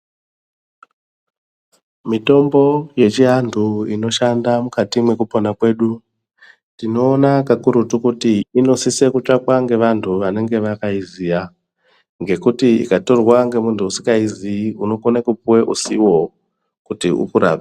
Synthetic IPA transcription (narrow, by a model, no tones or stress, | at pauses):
mito̞mbo̞je̞t͡ʃiɦantʰuino̞ʃandamukatimwe̞kuponakwe̞ːɗu | tino̞ːnakakuɾutukutiino̞sisekut͡ʂakwaŋɡe̞ʋantʰuʋane̞ŋɡe̞ʋakaizija | ŋɡe̞kutiḭkato̞rwaŋɡe̞muntʰuusi̥kaiziuno̞konakupuweʔusiwo̞ | kutiṵpuɾa̰ːpe